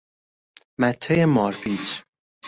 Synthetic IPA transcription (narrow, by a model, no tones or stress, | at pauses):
mæt̪ʰːejemɒːɾbiːt͡ʃ